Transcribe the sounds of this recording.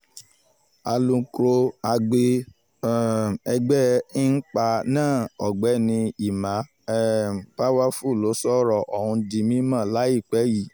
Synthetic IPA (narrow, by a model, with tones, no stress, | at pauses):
a˧lũ˧kɾo˧a˧ɡ͡be˧˨ | ɛ˧ɡ͡bɛ˦n̩˦k͡pa˧nãː˦˨ɔ˨ɡ͡bɛ˨˦nĩ˧i˨mã˨˦ | ɛ˦˨k͡pa˦wa˦fu˦˨lo˨˦sɔ˦ɾɔ˨ʔɔ˨hũ˧di˧mĩ˦mã˦˨la˨˦i˦˨k͡pɛ˨˦ji˨